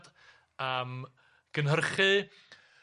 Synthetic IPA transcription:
d̥ | əːm | ɡ̥ənɦərχɨ

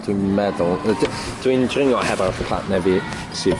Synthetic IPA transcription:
d̥winmɛðʊlˠd | d̥windrɪŋɔhɛvapʰl̥ˠa̰ʔnɛvi | si

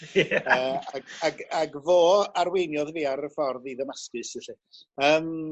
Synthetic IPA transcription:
əːaɡaɡaɡvoːaɾwejnjɔðviːaɾəfɔrðiðəmaskɨsɛɬi | əːm

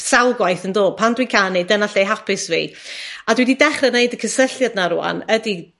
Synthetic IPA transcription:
sawɡwajθəndo̥ːpʰandwikʰanejdənaɬejɦapʰɪsvḭadwididɛχrɛnejdəkʰəsəɬjadnaɾʊa̰nədi

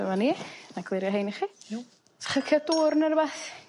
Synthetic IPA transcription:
əmaninaɡʰwɪɾjɔɦejniχi̥ | χəkʰəduːrnərbaθ

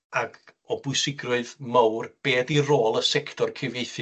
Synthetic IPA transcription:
aɡɔbʊɨsɪɡrʊɨðmawrb̥eːdiroːlˠəsɛkʰtʰɔrkʰɪveɨθ

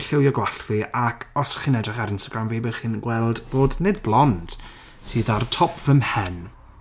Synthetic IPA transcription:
ɬɪwjɔɡwaɬviʔakʰɔsχiːnɛdrɪχaɾɪnstaɡɾamviːbɛχiːnɡwɛlˠdb̥oːdnedblˠɔnd̥ | sɨːðartʰɔpʰv̥əmhɛn

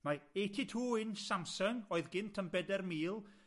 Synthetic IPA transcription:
maejtʰitʰuːɪnsamsəŋoːɨðɡɪntʰənbɛdɛrmiːlˠ

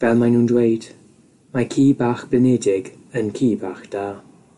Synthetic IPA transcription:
vɛlˠmajnuːndwejd̥ | makʰiːbaːχb̥lɪnɛdɪɡ | ənkʰiːbaːχd̥aː

